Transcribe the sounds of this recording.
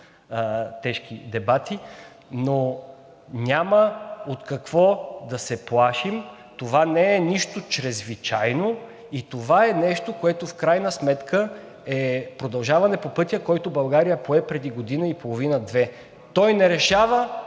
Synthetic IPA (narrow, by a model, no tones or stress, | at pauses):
t̪ɛʃkid̪ɛbat̪i | no | nʲaməot̪kɐkv̥ɔd̪ɐsɛplˠaʃim | t̪ovanɛːniʃt̪ot͡ʃɾɛzvit͡ʃajno | it̪ovaɛnɛʃt̪okoɛt̪ofkɾajnəsmɛt̪kʰə | ɛpɾod̪ɐlˠʒavɐnɛpopɤt̪ʲjəkɔjt̪obɐlˠɡaɾijəpoɛpɾɛd̪iɡod̪inəipolˠovinəd̪vɛ | t̪ɔjnɛɾɛʃavə